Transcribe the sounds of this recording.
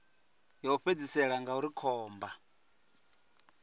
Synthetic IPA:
jɔuɸed͡zisɛɺaŋɡauɾikʰɔːmba

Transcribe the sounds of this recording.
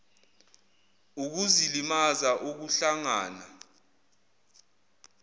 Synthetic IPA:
uk̬uzilimazaʔuk̬uɬaŋaːna̰

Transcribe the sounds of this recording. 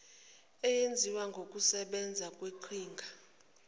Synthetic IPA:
ɛjend͡zʱiwaŋɡʱok̬ʼusɛɓɛnd͡zʱakʼweǃʰiːŋɡʱa

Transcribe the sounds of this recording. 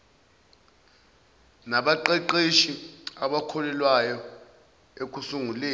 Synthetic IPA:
naɓaǃɛǃeʃiaɓakʰɔlɛlwajɔ | ek̬ʼusuŋuleː

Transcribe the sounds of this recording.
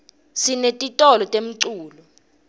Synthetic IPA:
sinetʼitʼɔlɔtʼem̩ǀuːlɔ

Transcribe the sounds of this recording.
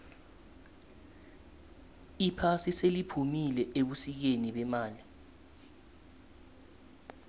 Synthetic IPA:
ipʰasiselipʰumilɛʔeɓusik̬eniɓɛmaːli

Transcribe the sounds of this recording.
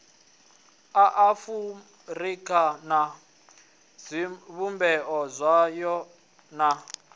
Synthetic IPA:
aʔafu | rikʰana | zʷiβumbɛʔɔzʷajɔ | na

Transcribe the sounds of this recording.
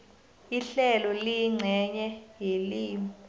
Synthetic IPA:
iɬɛlɔliŋ͡ǀʱɛɲɛjeliːm

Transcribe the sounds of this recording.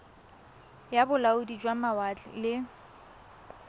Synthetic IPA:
jabʊlaʊdid͡ʒwamawat͡ɬɪ̰lɪ

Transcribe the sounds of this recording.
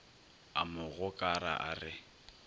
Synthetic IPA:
a̰mʊɣʊkʼaɾa̰ʔarɪ

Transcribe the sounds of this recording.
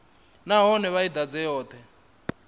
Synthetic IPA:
naɦɔnɛβaid̪ad͡zɛjɔːt̪ʰɛ

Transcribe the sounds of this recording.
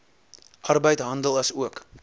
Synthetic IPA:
ʔɐrbəjtɦɐndəlˠɐsuək

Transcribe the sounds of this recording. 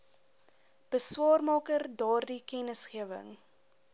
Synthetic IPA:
b̥əswɑːrmɑːkərdɑːrdikɛnəsχiəvə̰ŋ

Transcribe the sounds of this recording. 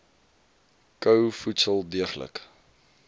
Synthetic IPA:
kəwfutsəlˠdiəχlə̰k

